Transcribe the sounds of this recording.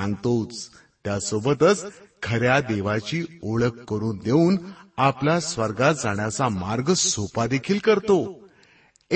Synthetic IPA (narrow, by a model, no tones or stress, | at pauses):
ãnt̪ot͡s | t̪jasobət̪ət͡skʰəɾjad̪eʋat͡ɕiːoɭəkːəɾuːnd̪euːnaplasʋəɾɡat̪d͡zaɳjat͡samaɾɡsopad̪ekʰiːlkəɾt̪o